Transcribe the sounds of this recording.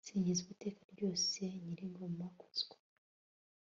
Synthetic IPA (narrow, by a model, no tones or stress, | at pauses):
siːɲɟizuβite̞ːkaɾɟo̞ːse̞ɲiɾiŋɡo̞mako̥z̥ɡwḁ